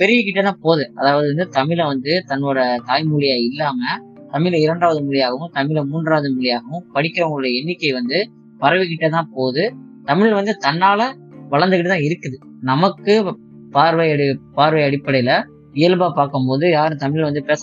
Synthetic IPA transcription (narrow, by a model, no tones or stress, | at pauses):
pɛɾɪjɯkɪʈːet̪ãːpoːðɯɐðaːʋɐðɯʋɐnd̪ɯt̪ɐmɪlɐʋɐnd̪ɯt̪ɐnːoːɽɐt̪aːjmʊɻɪjaːɪlːaːmɐ | t̪ɐmɪlɐɪɾɐɳɖaːʋɐðɯmʊɻɪjaːɣɐʋɯ̃mt̪ɐmɪlɐmuːndraːʋɐðɯmʊɭɪjaːɣɐʋɯ̃mpɐɽɪkːɪɾɐʋɐŋɡɐɭɔːɽɐjɐɛnːɪkːɐɪʋɐnd̪ɯ | pɐɾɐʋɪkɪʈːet̪ãːpoːðɯ | t̪ɐmɪɭɪlʋɐnd̪ɯt̪ɐnːaːlɐ | ʋɐɭɐnd̪ɯkɪʈːɐt̪ãːɪɾɯkːɯðɯ | nɐmɐkːɯ | paːɾʋɐjɐɽɪpaːɾʋɐɪɐɽɪpːɐɽɐjɪlɐ | ɪjɐlbaːpaːɾkɯmpoːðɯjaːɾɯ̃t̪ɐmɪɭɪlʋɐnd̪ɯpeːs